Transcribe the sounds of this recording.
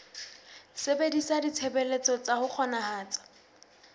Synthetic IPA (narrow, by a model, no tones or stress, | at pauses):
sebedisadit͡sʰebelet͡sɔt͡sahʊk͡xʰɔnahaːt͡sḁ